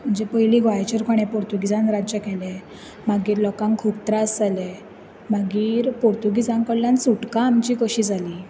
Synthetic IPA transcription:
m̤əɳd͡zepəjliːɡʱʋajt͡ɕəɾkoɽ̃ẽpoɾt̪uɡid͡zãnɾad͡ʑjəkɛle | maɡiːɾlɔkãŋkʰup̚t̪ɾaəsd͡zale | maɡiːɾpoɾt̪uɡid͡zãŋkəɽljansuʈkãːmt͡ɕiːkoɕid͡zʱaliː

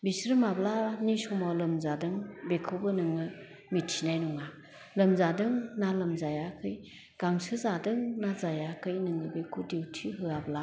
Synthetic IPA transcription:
bisɾɯmablanisɔmɔlɯmzadɯŋbekʰɯwbɯnɯŋɯ | mitʰinajnuŋa | lɯmzadɯŋnalɯmzajakʰɯj | ɡ̥aŋsɯzadɯŋnazajakʰɯjnɯŋɯbekʰudewtʰiɦɯabla

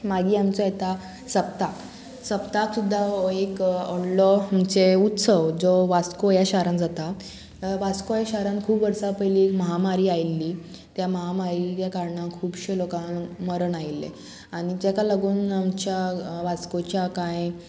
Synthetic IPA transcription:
maɡiːamt͡sɔjet̪a | səp̚t̪ak | səpt̪aksud̪ʱːaekɔɽlɔamt͡seut̪səʋd͡zɔʋat͡skojaɕaɾãnd͡zat̪a | ʋat͡skojaɕaɾankʰuːpʋəɾsapəjliːekməɦamaɾiːajlːiː | t̪jaməɦamaɾiljakaɾɳãkʰuːbɕelokãnməɾəɳajlːḛ | aɽ̃id͡ʑekalaɡuːnamt͡ɕjaʋat͡skot͡ɕjakãj

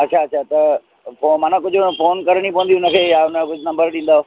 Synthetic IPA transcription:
ɐtːɕʰaɐtːɕʰat̪ɐ | fomaːnãkʊd͡ʑʱʊfoːnkɐɾəɽ̃ipɐʋə̃nd̪iʊnə̆kʰeːjaʊnəkʊd͡ʑʱʊnɐ̃mbəɾɗĩːn̆d̪aːɦo

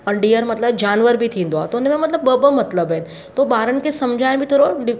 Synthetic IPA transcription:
ənɖijəɾmɐt̪ləbd͡ʑaːnʋəɾbʱit̪ʰĩːn̆d̪oaːɦet̪oʊnmẽmɐt̪ləbəbəmɐt̪ləbɦɪnɪ̆ | t̪oːɓaːɾənɪ̆kʰesɐmd͡ʑʱaːɪ̃bʱit̪ʰoːɾoɖɪ

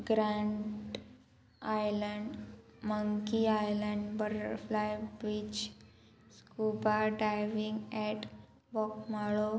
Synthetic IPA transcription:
ɡɾãɳʈ | ajləɳɖ | məŋkiajləɳɖbəʈəɾflajbid͡ʑ | skubaɖajʋiŋɡɛʈ | bɔkmaɭo

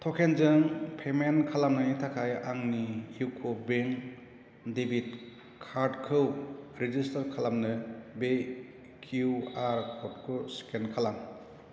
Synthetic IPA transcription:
tʰɔkʰenzɯŋpʰemenkʰalamnɯitʰakʰajaŋnijukʰobeŋ | debit | kʰaɾdkʰɯwɾid͡ʒistaɾkʰalamnɯbe | kʰuaɾkʰɔt̚kʰuskʰenkʰalam

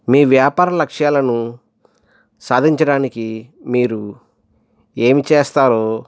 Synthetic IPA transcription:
miːʋjaːpaːɾɐlɐkʂjaːlɐnu | saːd̪ʱiɲt͡ʃɐɽaːnikimiːɾu | eːmit͡ʃeːst̪aːɾoː

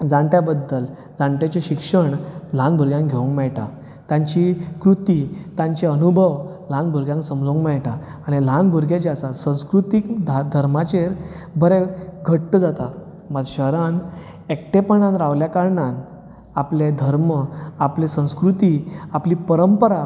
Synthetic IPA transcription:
d͡zãɳʈ̪jabəd̪ːəl | d͡zãɳʈ̪jat͡ɕeɕikʂəɳl̤ãnbʱuɾɡjãŋkɡʱeũŋkmɛɭʈa | t̪jãɲt͡ɕikɾut̪it̪ãɲt͡ɕeənubʱəʋ | l̤ãnbʱuɾɡʲjãŋksəmd͡zũŋkmɛɭʈaː | ɽ̃ilãnbʱuɾɡjat͡ɕeasasə̃w̃skɾut̪ikd̪ʱad̪ʱəɾmat͡ɕeɾ | bʱəɾeɡʱəʈtəd͡zat̪a | məd͡zɕəɦɾan | ek̚ʈepəɳãnɾaʋljakaɾɳãn | apled̪ʱəɾməaplesə̃w̃skɾut̪iapliːpəɾəmpəɾa

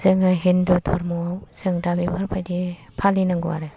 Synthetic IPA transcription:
zɯŋaɦindutʰɔɾmuawzɯŋdabibʱaɾpʰajdi | pʰalinaŋɡua̰ɾe

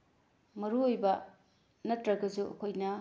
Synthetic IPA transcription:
mɐɾuojbɐ | nɐtɾɐɡɐzuʔɐ̰kʰojnɐ

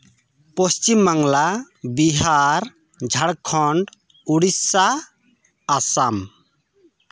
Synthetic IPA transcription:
pɔst͡ʃimːaŋla | biɦaɾ | d͡ʒʱaɽkʰɔɳɖ | uɽisːaː | sam

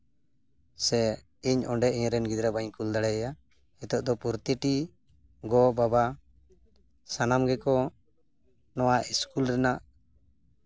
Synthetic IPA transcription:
sɛ | iɲɔɳɖɛʔiɲɾɛnɡid̪ɾabaɲkuld̪aɽɛja | ɛt̪ɔʔd̪ɔpuɾt̪iʈi | ɡɔbaba | sanamɡɛkɔ | nɔwaiskulɾɛnaʔ

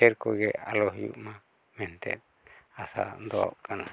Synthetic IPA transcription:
ɛɾkɔɡɛʔalɔɦijṵʔma | mɛnt̪ɛ̰t̪̚ | asa̰d̪ɔɔ̰ʔkʰana

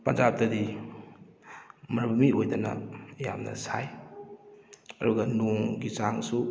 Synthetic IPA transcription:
pɐnd͡ʒap̚tɐdi | mɐɾbumiojdanɐ̰ːja̰mnɐ̰saj | ɐɾuɡɐnoŋɡit͡ʃaŋsu

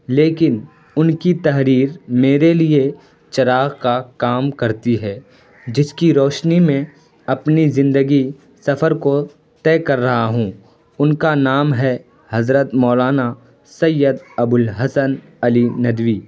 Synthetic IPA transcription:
leːkɪn | ʊnkit̪ɐɦɾiːɾmeːɾelie | t͡ʃɐɾaːɣkakaːmkɐɾt̪iɦɛː | d͡ʒɪskiɾɔːʃnimẽ | ɐpnizɪ̃nd̪əɡi | sɐfəɾko | t̪ɛːkɐɾːɐɦaɦũː | ʊnkanaːmɦɛ | hɐzɾət̪mɔːlaːna | sɐjːəd̪ɐbʊlɦɐsən | ɐlinɐd̪ʋiː

